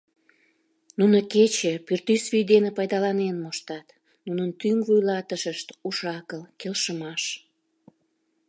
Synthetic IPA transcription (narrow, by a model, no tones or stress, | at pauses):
nunəket͡ɕepyrt̪ysvyjd̪enepɑjd̪ɑlɑnenmoʃt̪ɑt̪ | nunənt̪yŋvujlɑt̪əʃəʃt̪uʃɑkəlkelʃəmɑʃ